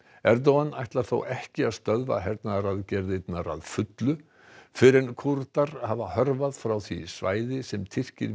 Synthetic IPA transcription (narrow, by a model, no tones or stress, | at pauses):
ɛɾt̪̬owanːajht̪laɾ̥θo̰wʔɛhcɪaðst̪œðva̰ɦɛɾt̪naɾaðcɛɾðɪt̪naɾa̰ðfʏt̪lʏ | fɪɾɪnkʰuɾt̪aɾ̥havahœɾvaðfɾawθvḭsva̰ːjðɪsɛmt̪ʰɪr̥cɪ̰ɾ